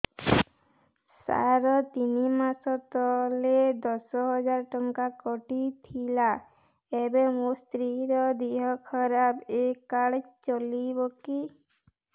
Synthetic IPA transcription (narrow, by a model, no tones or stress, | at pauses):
sa̰ɾɔt̪inimasɔt̪ɔled̪ɔsɔɦɔd͡ʒaɾɔʈɔŋkakɔʈit̪ʰila | ebemust̪ɾiɾɔd̪iɦɔkʰɔɾabekaɽt͡ʃɔlibɔki